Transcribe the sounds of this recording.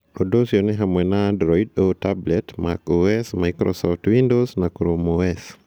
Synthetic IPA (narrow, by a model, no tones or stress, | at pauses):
odosjonɛɦamwɛnadɾɔidotablɛtma̰koɛsmaɪkɾɔ̰sɔftwindosnakɾomoɛs